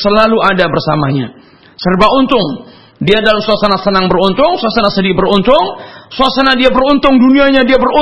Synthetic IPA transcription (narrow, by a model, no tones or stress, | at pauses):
səlaluadabərsamaɲa | sərbaunt̪ʊŋ | diadalamsoasənasənaŋbərunt̪ʊŋsoasənasədibəɾunt̪ʊŋsasənadiabərunt̪ʊŋduniaɲadiabəru